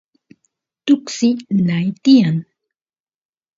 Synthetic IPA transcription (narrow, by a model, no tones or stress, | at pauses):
t̪ʊksɪnajt̪ɪjaŋ